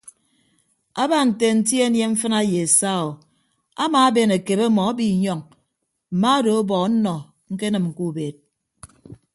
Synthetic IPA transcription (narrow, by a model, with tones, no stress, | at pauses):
a˦ba˦˨n̩˨te˨n̩˨˦t̬ji˦e˦nje˦ɱ̩˦fɨ˦na˦je˨e˨sa˦o˨ | a̰˦ma˨a˦be˨ne˨ke˨be˦mɔ˨a˦bi˨ɲɔ˦ŋ | m̩˨ma˦do˨o˦bɔ˨˦n̩˦nɔ˨ | ŋ̩˦ke˦nɨ˨mŋ̩˨ku˦˨be˨t̚